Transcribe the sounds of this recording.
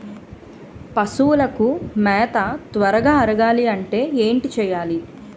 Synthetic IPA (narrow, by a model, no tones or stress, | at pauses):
pɐsuwulɐkumɛːt̪ɐt̪ʋɐɾɐɡaːɐɾɐɡaːliɐɳʈe̞ːeːɳʈit͡ʃɛːjaːli